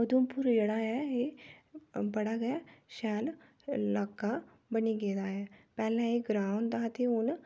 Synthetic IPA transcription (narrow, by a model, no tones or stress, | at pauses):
əd̪umpʊɾd͡ʒeːɽaːɛeː | bəɽaːɡɛʃɛːl | laːkːa | bəniɡeːd̪aːɛːpɛːlɛ̃eɡɾaːʊnd̪aːt̪eʊn